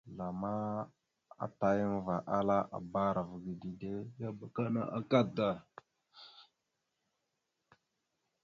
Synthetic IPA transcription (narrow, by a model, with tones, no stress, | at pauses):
la˨ma˦ | a̰˦ta˨jə˦n˦va˨ʔa˦la˦ʔa̰˨ba˦ɾa˨vɡi˨di˨de˦ja˦ba˨ka˦na̰˦ʔa˦ka˦da˨